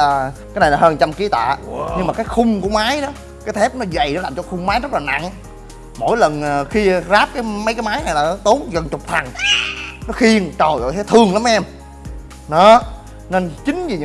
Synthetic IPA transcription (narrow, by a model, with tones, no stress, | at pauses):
kaː˨˦jna˨˩laː˨˩həː˧nt͡ɕa˧mki˨˦t̪a̰ː˧˨ɲɨ˧ŋmaː˨˩kaː˨˦jxʊ˧ŋ͡mku˧˩əmaː˨˦jɗɔ˨˦ | kaː˨˦jt̪ʰɛ˦˥p̚nɔ˨˦za˨˩jnɔ˨˦laː˨˩mt͡ɕɔ˧˦xʊ˧ŋ͡mmaː˨˦jzə˦˥t̚laː˨˩na̰˧˨ŋ | mo̰˧˩jlə˨˩nː˨˩xi˧zaː˦˥p̚kaː˨˦jmə˨˦jkaː˨˦jmaː˨˦jna˨˩jlaː˨˩nɔ˨˦t̪o˨˦ŋɣə˨˩nt͡ɕʊ˨˩k͡p̚t̪ʰa˨˩n | nɔ˨˦xi˧əŋt͡ɕə˨˩jzɔ̰˧˨jt̪ʰːt̪ʰɨ˨˩əŋla˨˦mʔɛ˧m | ɗɔ˨˦ | ne˧nt͡ɕï˨˦ŋ̟zi˨˩ɲ˧